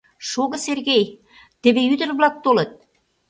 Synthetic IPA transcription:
ʃoɣɤ̆serɣej | t̪ĕβeyd̪ə̆rβlɑk̚t̪olə̆t̪̚

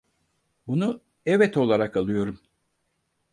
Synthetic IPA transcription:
bunu | ɛvɛt̪o̞lˠaɾakalˠɯjo̞ɾum

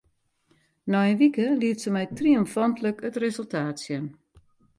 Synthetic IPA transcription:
nɔjənʋikəliətsəmɛjtriomfɔntləkətrezəlˠtʰaːtsjən

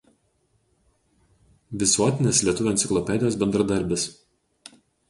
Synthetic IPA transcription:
ʋʲɪsuɔt̪ʲɪnʲeːslʲiɛt̪ʊʋʲʊːɛnʲsʲɪklˠɔpʲɛːd̪ʲɪjoːsbʲɛnd̪ɾɐd̪ɐɾʲˑbʲɪs

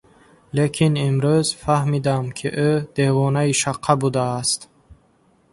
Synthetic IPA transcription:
lekʰinimɾuzfahmid̪amkʰiʔød̪̥evɔnaiʃaqʰːabud̪aːst̪

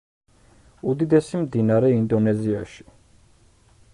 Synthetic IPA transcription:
ud̪id̪ɛsimd̪inaɾɛind̪ɔnɛzia̰ʃi̥

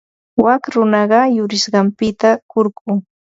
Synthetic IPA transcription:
wakɾʊnɑɢɑjʊɾɪʃɢɑmpɪt̪akoɾkʊː

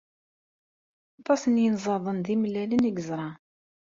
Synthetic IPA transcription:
ɑt̪ˤːɑsənjənzˤɑðˤənðimlːælənəɡəzɾˤɑ

